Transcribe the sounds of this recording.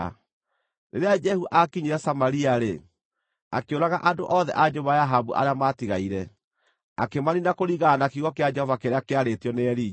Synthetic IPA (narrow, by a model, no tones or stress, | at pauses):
neɾead͡ʒɛhuʔakiɲeɾɛsamaɾiaɾe | akeoɾaɣaʔadoʔɔðɛ̰ʔad͡ʒoβajaɦabuʔa̰ɾeamatiɣaiɾɛ | a̰kemaninakoɾiɣanakiɣɔkead͡ʒɛhɔvakeɾeakeaɾetjɔneɛɾi